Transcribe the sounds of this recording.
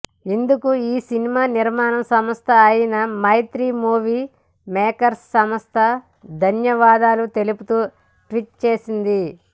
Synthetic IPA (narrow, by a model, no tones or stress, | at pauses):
ind̪ukuiːsinimaːniɾmaːnɐmsɐmɐst̪ʰɐːjɐnɐmɐjt̪ɾiːmuːʋiː | mɛːkɐɾsːɐmɐst̪ʰɐ | d̪ʱɐnjɐʋaːd̪aːlut̪e̞luput̪uː | ʈʋiʈ̚t͡ʃeːsind̪i